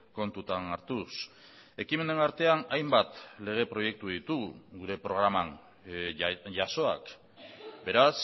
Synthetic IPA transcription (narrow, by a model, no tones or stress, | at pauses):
ko̞nt̪ut̪anaɾt̪us | e̞kime̞nenaɾt̪e̞anajmbat̪le̞ɣ̞e̞pɾo̞je̞k̚t̪uðit̪uɡuɾe̞pɾo̞ɣ̞ɾamaŋ | ʝaso̞a̰k | be̞ɾas